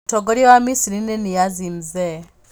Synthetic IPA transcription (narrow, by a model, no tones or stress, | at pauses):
tʰɔɡɔɾiwamisiɾinɛnijazinzɛ